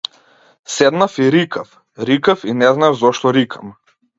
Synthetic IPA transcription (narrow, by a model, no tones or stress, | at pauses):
sɛd̪nafiɾikaf | ɾikafinɛznavzɔʃt̪ɔɾikʰam